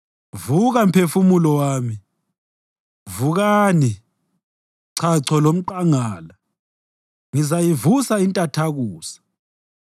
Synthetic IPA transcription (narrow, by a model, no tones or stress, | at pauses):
vuɣampʰefumulɔwaːmi | vuɣaːni | ǀʰaǀʰɔlom̩ǃaŋaːla | ŋizajivusaintʼatʰaɣuːsḁ